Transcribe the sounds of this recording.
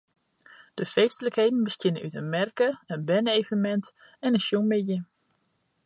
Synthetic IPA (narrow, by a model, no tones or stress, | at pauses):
d̥əfeːstələkhejdən̩bəstɪnəʔytənmɛrkəənbɛnəejvəmɛnt | ɛnənsjuŋmɪdjə